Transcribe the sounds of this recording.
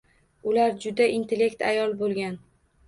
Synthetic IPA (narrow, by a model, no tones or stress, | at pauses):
ʊlaɾd͡ʒʊd̪aʔint̪ʰe̞le̞kt̪a̰jɒlˠbolˠɡʲan